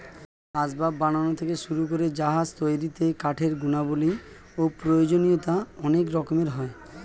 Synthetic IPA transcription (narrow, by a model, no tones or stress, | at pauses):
ad͡ʑbabːananot̪ʰekeʃuɾukoɾed͡ʑaɦad͡ʑt̪ojɾit̪ekaʈʰeɾɡunaboli | opɾojod͡ʑonijot̪aɔnekɾɔkomeɾɦɔe